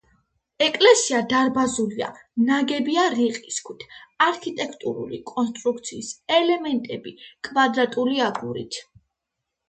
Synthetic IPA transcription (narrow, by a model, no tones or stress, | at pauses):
ɛkʼlɛsiad̪aɾbazulia̰naɡɛbiaɾiqʼiskʰwit̪ʰaɾkʰit̪ʼɛkʰt̪ʼuɾṵlḭkʼɔnst̪ʼɾuk̚ʰt̪sʰiːsɛlɛmɛnt̪ʼɛbikʼvad̪ɾat̪ʼuliaɡuɾḭt̪ʰ